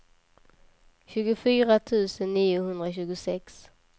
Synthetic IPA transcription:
ɕʉ̟ːɡʊfyːɾat̪ʰʉ̟ːsənːiːʊhɵnd̪ɾaɕʉ̟ːɡʊsɛks

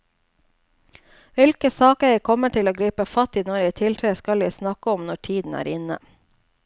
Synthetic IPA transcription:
ʋɪlkəsɑːkəɛɪkʰɔməʈʰɪloːɡɾiːpəfɑt̪iːnɔɾjɛɪt̪ʰɪlt̪ʰeːskɑljæɪsnɑkəɔmnɔʈʰiːd̪n̩æ̰ːɾɪnə̰

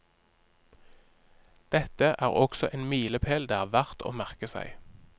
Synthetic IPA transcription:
d̪̥ɛt̪əʔæːʁɔɡ̥sɔʔeːnmiːləpʰeːld̪eːæːʁʋæʁt̪ʰo̰ːmæʁkəsæ̰ɪ

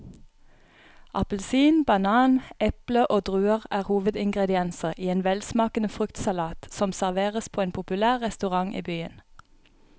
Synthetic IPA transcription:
ʔɑ̰pəl̩siːnbɑnɑːnʔɛpləʔoːd̪ʁʉːəʁæːʁhuːʋəd̪ɪŋɡʁɛd̪ɪɛnsəʁʔiːeːnʋɛlsmɑːkənəfʁʉkt̪sɑlɑːt̪sɔmsæʁʋeːʁəspʰoːeːnpʰʊpʉlæːʁʁɛst̪ʉʁɑŋʔḭːbyːə̰n

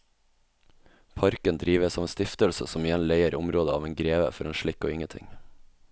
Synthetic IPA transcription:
pʰɑɾkənd̪ɾiːʋəsɔʋeːnst̪ɪft̪əlsəsɔmɪjɛnleɪəɾʊmɾoːd̪əɑːʋeːnɡɾeːʋə̰fɔɾeːnʃɭɪkoːɪŋət̪ʰɪ̰ŋ

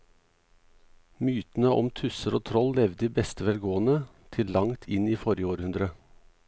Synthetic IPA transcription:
myːt̪n̩əʔɔ̰mt̪ʰʉsəɾoːt̪ʰɾɔllɛʋd̪iːbɛst̪əʋɛlɡoːənə | t̪ʰɪllɑŋt̪ʰɪniːfɔɾjəoːɾhʉnd̪ɾə

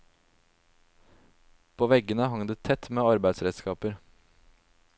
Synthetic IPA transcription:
pʰoːʋɛɡənəɦɑŋd̪eːt̪ʰɛt̪meːɑɾbæɪd̪sɾɛd̪skɑːpəɾ

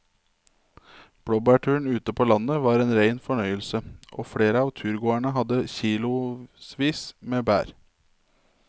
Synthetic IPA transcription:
b̥ɽɔbæʈʰʉːɳ̩ʉːt̪əpʰoːlɑnəʋɑːɾeːnɾæɪnfɔɳœʏəlsəʔo̰ːfɽeːɾəɑːʋt̪ʰʉːɾɡoːæɳəɦɑd̪əçiːlʊsʋiːsmeːbæ̰ːɾ

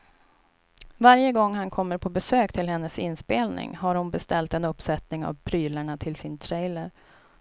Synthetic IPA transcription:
vaɾjəɡɔŋːhankʰɔmːəɾpʰɔbɛsøːkt̪ʰɪlɦɛnːəsɪnspeːlnɪ̰ŋɦaɾhʊnbɛst̪ɛlt̪ɛnɵpːsɛt̪nɪŋa̰vpʰɾyːləɳat̪ʰɪlsɪnt̪ʰɾɛjləɾ

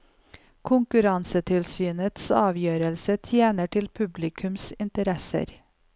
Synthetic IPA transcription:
kʰʊŋkʉɾɑnsət̪ʰɪlsyːnət̪sɑːʋjøːɾəlsət̪ʰjeːnəʈʰɪlpʰʉblɪkʰʉmsɪnt̪əɾɛsə̰ɾ

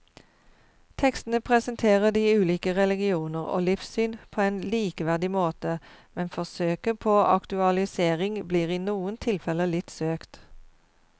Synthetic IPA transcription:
t̪ʰɛkst̪n̩əpʰʁɛsənt̪ʰeːʁəd̪iːʉːliːkəʁɛlɪɡɪuːnəʁo̰ːlɪfsyːnpʰoːeːnliːkəʋæʁd̪ɪmoːt̪əmɛnfɔʁsøːkəpʰoːʔɑ̰kt̪ʉɑlɪseːʁɪŋbliːʁiːnuːənt̪ʰɪlfɛləlɪt̪søːkt̪

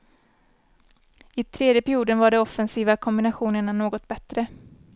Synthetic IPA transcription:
ɪt̪ʰɾeːd̪jəpʰæɾɪjuːd̪ənvaɖɛɔfɛnsiːvakʰɔmbɪnaɧuːnəɳanoːɡɔt̪bɛt̪ɾə

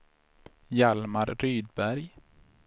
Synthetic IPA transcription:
jalmaɾɾyːd̪bæɾj

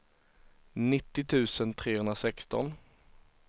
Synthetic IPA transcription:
nɪt̪ːɪt̪ʰʉ̟ːsənt̪ʰɾeːhɵnɾasɛkst̪ɔ̰n

